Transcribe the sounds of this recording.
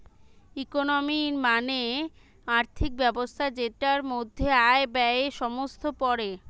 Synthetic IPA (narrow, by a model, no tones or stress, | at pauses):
ikonomiɾmane | aɾt̪ʰik̚bɛbost̪ʰad͡ʑetaɾmod̪ʱːeaebɛeʃɔmost̪ʰopɔɾe